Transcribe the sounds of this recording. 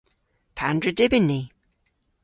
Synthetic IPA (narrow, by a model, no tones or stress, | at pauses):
pʰandɹədɪbɪnːi